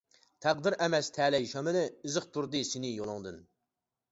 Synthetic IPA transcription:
t̪ʰæqd̪ɨɾɛmɛst̪ʰɛːlɛjʃɑmɨnɨːzɨχt̪ʰuɾd̪ɨsinɪjolˠʊŋd̪ɨn

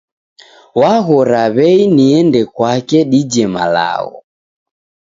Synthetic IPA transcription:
waɣɔɾaβɛiniɛndɛkwakɛɗid͡ʒɛma̰la̰ɣɔ̰

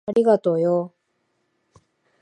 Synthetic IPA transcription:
aɾʲiɡat̪oːjo

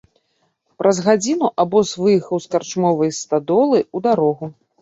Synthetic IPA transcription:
pɾʔɐzɣad͡zʲinuʔabɔzvɨjixɐwskart͡ʂmɔvɐjst̪ad̪ɔlˠɨud̪aɾɔɣu

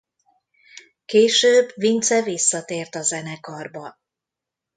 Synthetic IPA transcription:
keːʃøːbvint̪sɛvisːɒt̪eːrt̪ɒzɛnɛkɒrbɒ

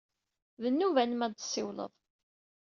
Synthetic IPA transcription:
ðənːuvænəmæd̪sːɪwlə̰ðˤ

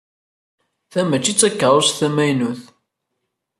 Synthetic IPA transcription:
θæmət͡ʃːit͡sːækːəɾˤosθæmæjnuθ

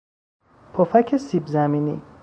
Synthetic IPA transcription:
pʰofækʰesibzæminḭ

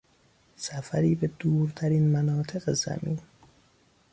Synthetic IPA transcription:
sæfæɾiːbe̞d̪uːɾt̪ʰæɾiːnmænɒːt̪ʰe̞ɣezæ̰mḭːn

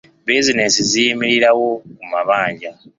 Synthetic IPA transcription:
bizinesizijimiɾiɾawo̞kumaβaːɲɟa

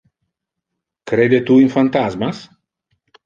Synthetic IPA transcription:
kɾed̪et̪uinfant̪azmas

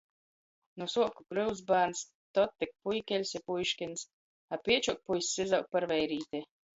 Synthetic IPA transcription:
nusuɔkukɾɨw̪zbaːns | t̪ɔt̪ːɛk̚pujkʲɛlʲsʲɛpujʃkʲins | apiɛt͡ʃuk̚pujsʲːizawk̚paɾvɛjɾiːt̪ʲɛ

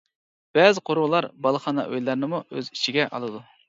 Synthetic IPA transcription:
b̥ɛzɪqʰoɾwlˠɑɾbɑlˠχɑnɑ̰ʔø̰jlˠɑɾnɨmuøzit͡ʃʰiɡʲɛʔɑ̰lˠɨd̪u

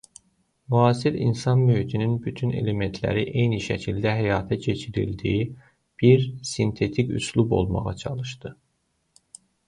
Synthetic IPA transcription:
mːsilḭnsɑnmøhit̪ʰininbyt̪ʰyne̞̰le̞me̞nt̪ʰlæ̰ɾiʔe̞jniʃæcʰild̪æɦæjɑːt̪ʰæcʰe̞t͡ʃʰiɾḭld̪ḭi | b̥iɾsint̪ʰe̞t̪ʰicʰṵslˠubo̞̰lˠmɑ̰ʁɑ̰t͡ʃʰɑlˠɯʃd̪ɯ

